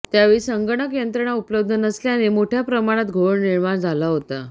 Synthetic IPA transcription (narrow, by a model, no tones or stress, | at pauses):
t̪jaʋiːsəŋɡəɳəkjənt̪ɾəɳaupləbd̪ʱənəsljanemoʈʰjapɾəmaɽ̃at̪ɡʱoʋəɳniɾmaɳd͡zʱalaɦot̪a